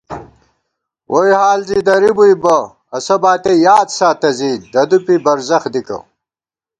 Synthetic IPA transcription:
wʔojhaːlzid̪ɐɾibujbɐ | ɐsɐbaːt̪ejaːd̪saːt̪ɐzid̪ɐd̪upibɐɾzɐxd̪ikɐ̰

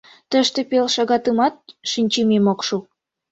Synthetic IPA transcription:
t̪ə̆ʃt̪epelʃɑɣɑt̪ɯmɑt̪̚ʃinʲt͡ɕememokʃu

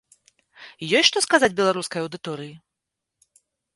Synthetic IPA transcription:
jɔjʲʂt̪ɔskazad͡zʲbʲɛlˠaɾuskɐjɐwd̪ɨt̪ɔɾɨji

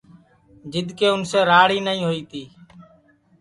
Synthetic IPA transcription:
d͡ʒɪd̪ʱkeːʊnseːɾaːɽiːnəĩːɦoːiːt̪iː

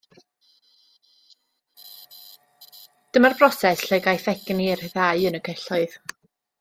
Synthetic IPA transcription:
d̥əmarbrɔsɛsɬɛɡajθɛɡ̥nirhðaɨənəkʰɛɬɔɨð̥

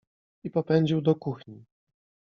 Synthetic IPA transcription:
ipɔpɛɲd͡ʑiwd̪ɔkuxɲi

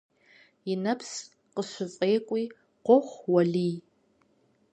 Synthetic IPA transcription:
jɪnɐpʰs | qəɕʷʊfʼeːkʷʼiː | qʷɔχʷwɐɮiː

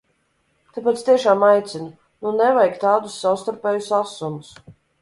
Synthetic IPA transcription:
t̪ap̬at̪st̪iɛʃaːmajt̪sʲinu | nunɛvajkt̪aːd̪usːawst̪aɾpʲɛːjusasumus

